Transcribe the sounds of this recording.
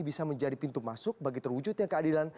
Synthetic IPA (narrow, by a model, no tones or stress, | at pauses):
ibisaməɲd͡ʒadipint̪umasʊk̚baɡit̪ərwud͡ʒʊt̪̚ɲaŋkəadilan